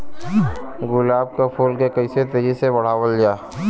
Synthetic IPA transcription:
ɡʊlaːb̚kapʰuːlkekəɪset̪eːd͡ʒisebɐɽ̤aːwəld͡ʒaː

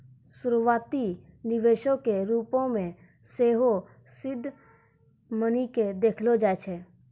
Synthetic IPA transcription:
sʊɾuwaːt̪inɪʋeːʃokeɾuːpõmẽ | seːɦo | sɪd̪ʱː | məniked̪eːkʰlod͡ʒaːet͡ʃʰeː

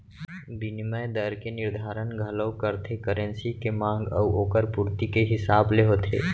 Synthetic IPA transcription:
bɪnɪməjd̪əɾkenɪɾd̪ʱaːɾənɡʱələwkəɾt̪ʰekəɾə̃nsikemãːŋɡəʋoːkəɾpuɾt̪ikeɦɪsaːbleɦoːt̪ʰḛː

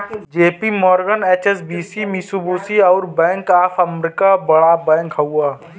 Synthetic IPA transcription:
d͡ʒeːpimɔːɾɡəneːt͡ʃes̬biːsimɪsubuːsiɔʊɾbɛ̃ːŋkaːpʰɐmɾɪkabɐɽabɛ̃ːŋkɦɐuaː

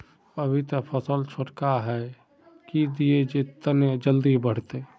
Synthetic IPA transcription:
əbʱit̪əpʰəsəlt͡ʃʰoʈkaɦɛ | kid̪ied͡ʒet̪ːəned͡ʒəld̪ibəɽ̤t̪e

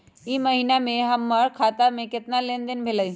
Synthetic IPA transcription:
imɐɦinamẽɦɐmːəɽkʰaːt̪amẽkɪt̪nalẽnd̪ənbʱeləj

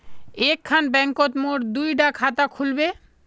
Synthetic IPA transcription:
ekʰːanbɛŋkot̪moʈd̪ujɖakʰat̪akʰulbe

